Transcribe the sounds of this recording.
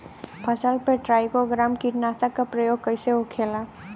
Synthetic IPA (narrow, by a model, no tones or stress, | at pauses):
pʰəsəlpeʈɾaːjkoɡɾamkiʈnasakːapɾəjoːɡkəɪseokʰela